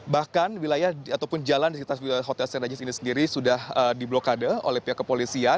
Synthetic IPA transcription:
bahkanwilajahat̪awpʊnd͡ʒalandiskit̪aəɦot̪ɛlsɛnad͡ʒɪsinisəndiɾisudahədiblokadəo̰lɛhpiakːəpolisia

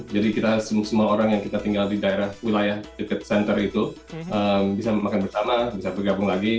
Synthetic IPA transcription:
d͡ʒadikit̪asəsəmuaoɾaŋjaŋkit̪at̪iŋɡaldidaeɾahwilajahdəkət̪̚sɛnt̪ərit̪u | ʔəmbisamakanpərsamabisabərɡabʊŋlaɡi

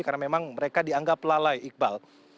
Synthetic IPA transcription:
karnamemaŋməɾekadiaŋɡaplalajʔik̚bal

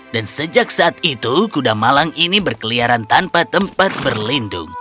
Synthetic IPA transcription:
dansəd͡ʒak̚saʔːt̪̚it̪ukudamalaŋinibərkəliaɾant̪anpat̪əmpat̪̚bərlindʊ̰ŋ

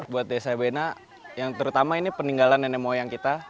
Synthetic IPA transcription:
buat̪̚desabena | jaŋt̪əɾut̪amainipəniŋɡalanɛnɛmojaŋkit̪a

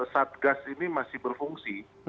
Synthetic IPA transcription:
sat̪̚ɡasinimasɪhbərfuŋsi

